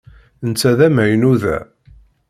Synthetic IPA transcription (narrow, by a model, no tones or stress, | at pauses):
nt͡sːæðæmæjənuðæ̰